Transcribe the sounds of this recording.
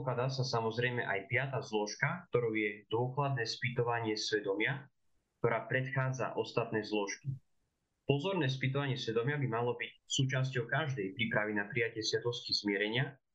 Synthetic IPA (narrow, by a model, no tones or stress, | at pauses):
klad̪asasamɔzɾɛjmɛʔajpɪat̪aːzlɔʃkakt̪ɔɾuʊjɛd̪ʊɔklad̪nɛːspit̪ɔʋaɲɪɛsʋɛd̪ɔmɪa | k̚t̪ɔɾaːpɾɛt̪xaːd͡za̰ʔɔst̪at̪nɛːzlɔʃki | pɔzɔɾnɛːs̬pit̪ɔʋaɲɪɛsʋɛd̪ɔmɪabimalɔbicsuːt͡ʃas̬cɔʊkaʒd̪ɛjpɾipɾaʋinapɾijacɪɛsɪat̪ɔsciz̥mɪɛɾɛɲɪa